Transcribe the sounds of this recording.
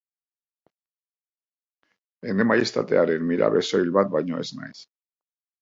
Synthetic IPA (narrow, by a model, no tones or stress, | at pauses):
enemajest̪at̪e̞aɾenmiɾa̰βe̞so̞jlβat̪̚bajɲo̞̰e̞zna̰js